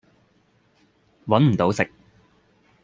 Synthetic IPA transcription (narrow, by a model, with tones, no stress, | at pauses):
wɐ˨˥nm̩˨˩t̪o˨˧˥wsɪ˨k̚